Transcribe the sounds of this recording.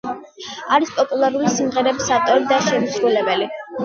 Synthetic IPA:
aɾispʼɔpʼulˠaɾulisimʁɛɾɛbisat̪ʼɔɾid̪aʃɛmusɾulɛbɛli

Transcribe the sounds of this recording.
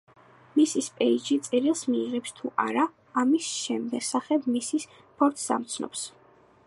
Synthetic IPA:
misispʼɛid͡ʒit̪sʼɛɾilˠsmiːʁɛpst̪ʰuʔa̰ɾaː | misʃɛmd̪ɛɡsaχɛbmisis | pʰɔɾt̪ʰsa̰mt̪sʰnɔ̰ps

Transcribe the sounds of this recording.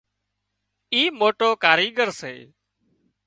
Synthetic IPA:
iːmoːʈoːkaːɾiːɡəɾsḛː

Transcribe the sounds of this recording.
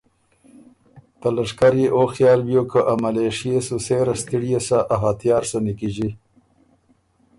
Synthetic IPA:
t̪alaʂkaɾjiʔoxjɑːlbjokəʔamaleʂijesuseɾast̪iɽijesaʔaɦat̪jɑːɾsonikiʒi

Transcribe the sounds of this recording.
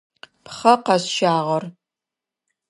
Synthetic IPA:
pχɐqɐɕʃaːʁɐr

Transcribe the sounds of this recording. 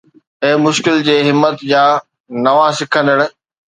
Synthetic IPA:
eːmʊʃkɪld͡ʑeːɦɪmːət̪jaː | nɐʋãsɪkʰə̃nd̪əɽ̃ʊ̆

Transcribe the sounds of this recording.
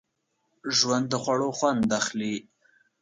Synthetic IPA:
ʒwand̪ːəxwaɽoxwand̪axli

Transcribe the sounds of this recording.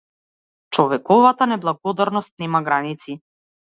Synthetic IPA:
t͡ʃɔvɛkɔvat̪anɛblˠaɡɔd̪aɾnɔst̪̚nɛmaɡɾanit̪si

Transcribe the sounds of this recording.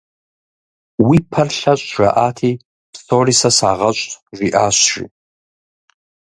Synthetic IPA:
wipʰɐrɬat͡ʃʷʼʒa̰ʔatʰi | pʰsorisasaːʁat͡ʃʷʼʰʒʷiʔaʃʷʒḭtʼ

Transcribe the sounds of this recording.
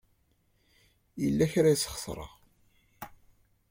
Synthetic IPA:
jəlːæçɾæjsχə̥sˤɾˤə̰ʁ

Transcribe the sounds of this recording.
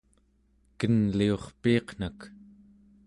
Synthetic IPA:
kənlio̞χpiɑqn̥ak

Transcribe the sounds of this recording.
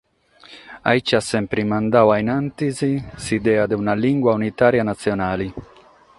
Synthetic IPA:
a̰it͡ʃːasːɛmpɾimand̪awajnant̪izisid̪ɛːad̪eunaliŋɡwaunit̪aːɾjanat̪sːjonaːli

